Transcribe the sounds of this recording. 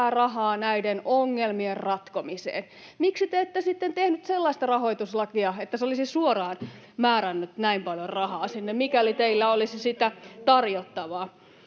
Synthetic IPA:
ærɑhɑːnæidenoŋːelmierrɑt̪komisḛːn | miksit̪eet̪ːesit̪ːent̪ehnyt̪selːɑist̪ɑrɑhoit̪uslɑkiɑet̪ːæseolisisuorɑːn | mæːɾænːyt̪næimpɑljorrɑhɑːsinːemmikælit̪eilːæolisisit̪æt̪ɑrjot̪ːɑʋɑː

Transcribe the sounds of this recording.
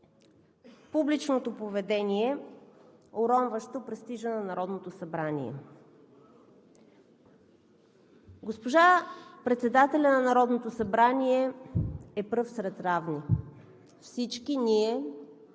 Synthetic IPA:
publit͡ʃnot̪opovɛd̪ɛniɛ | oɾɔnvəʃt̪opɾɛst̪iʒənɐnɐɾɔd̪not̪osɐbɾanḭɛ̰ | ɡospoʒapɾɛt̪sɛd̪at̪ɛlʲɐnɐnɐɾɔd̪not̪osɐbɾaniɛ | ɛpɾɤfsɾɛt̪ɾavni | fsit͡ʃkiniɛ

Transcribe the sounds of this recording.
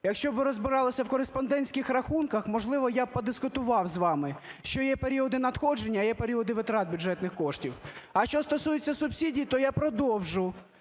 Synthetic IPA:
jɐkʃt͡ʃɔbʋɪɾɔzbɪɾɑlˠɐsʲɐwkɔɾespɔnd̪ɛnʲsʲkʲɪxrɐxunkɐxmɔʒlˠɪʋɔjapɔd̪ɪskʊt̪ʊʋɑwzʋɑmɪʃt͡ʃɔjɛpeɾʲiɔd̪ɪnɐd̪xɔd͡ʒenʲːɐjɛpeɾʲiɔd̪ɪʋɪt̪ɾɑt̪̚bʲʊd͡ʒɛt̪nɪxkɔʃtʲiwɐʃt͡ʃɔst̪ɔsujet͡sʲːɐsʊbsʲidʲijt̪ɔjapɾɔd̪ɔwʒʊ

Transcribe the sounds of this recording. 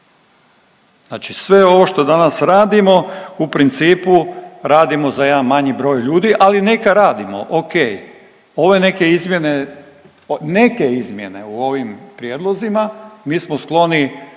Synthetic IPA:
znaːt͡ʃisʋe̞o̞ʋo̞ʃt̪o̞d̪anasɾaːd̪imo̞upɾint̪siːpuɾaːd̪imo̞zaje̞d̪anmaɲibɾo̞ːjʎuːd̪iʔalinekaɾaːd̪imo̰ʔokeːj | o̞ʋe̞ne̞ke̞izmje̞ne̞ | ne̞ke̞izmje̞ne̞uo̞ʋimpɾjeːd̪lˠo̞zimamiːsmosklˠo̞ni

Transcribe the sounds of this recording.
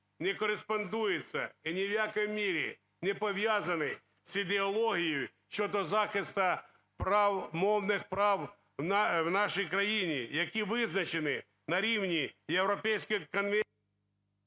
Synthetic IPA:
nʲɪkɔɾɪspɐnd̪ujɪt̪sʲɐ̰inʲɪwjakɔjmʲːiɾʲɪ̰ | nʲɛpɔʋʲjazɐnɪ | sid̪eɔlˠɔɦʲijʊj | t͡ʃːɔd̪ɔzaxɪst̪ɐ | pawmɔwnɪxpɾaw | nwnaʂɐjkɾɐjinʲɪjɐkʲiʋɪznɐt͡ʃɪnɪ | nɐɾʲiwnʲijewɾɔpʲɛjsʲkɪkɔnʋɛ

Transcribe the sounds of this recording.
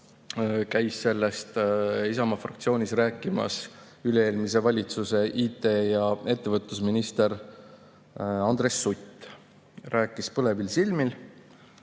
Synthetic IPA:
kæjsːe̞lːest̪isɑmɑfrɑ̰kt̪sio̞ːnʲisræːkːˑimɑ̰s | yleeːlmis̬e̞vɑlʲit̪suse̞ʔiːt̪ˑe̞jɑe̞t̪ːe̞vɤt̪ːˑusminist̪e̞ɾ | ɑnd̪re̞sːut̪ːˑ | ræːkːˑispɤle̞vilsilmil

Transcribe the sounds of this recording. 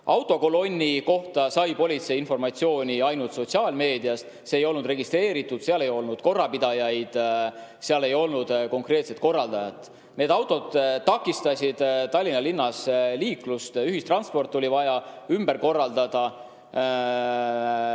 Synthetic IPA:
ʔɑwt̪ˑo̞ko̞lo̞nʲːiko̞ht̪ɑsɑjpo̞lʲit̪se̞jinfo̞rmɑt̪sio̞ːnʲiɑjnult̪so̞t̪ʲsiɑːlme̞ːd̪iɑst̪se̞ːjo̞lnud̪re̞ɡist̪re̞ːɾit̪ːud̪̥seɑle̞jo̞lnud̪̥ko̞rːɑpid̪̥ɑjɑjd̪̥ | seɑle̞jo̞lnud̪̥ko̞ŋkre̞ːt̪se̞t̪ko̞rːɑld̪̥ɑjɑt̪ˑ | ne̞d̪ɑwt̪ːˑo̞d̪̥t̪ːɑkˑːist̪ɑsʲid̪̥t̪ɑlʲːinɑlinːɑsliːklust̪yɦist̪rɑnspo̞rt̪ˑːo̞lʲivɑjɑymbe̞ɾko̞rːɑld̪̥ɑd̪̥ɑ

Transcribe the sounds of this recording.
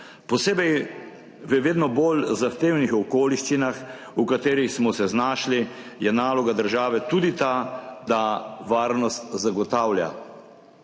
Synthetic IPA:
pɔseːbɛj | ʋəʋeːd̪nɔbolzaxt̪eːwnixɔkoːliʃt͡ʃinax | ukat̪eːɾixsmɔsɛznaːʃli | jɛnaːlɔɡad̪əɾʒaːʋɛt̪uːd̪it̪ad̪aʋaːɾnɔst̪zaɡɔt̪aːwlja̰

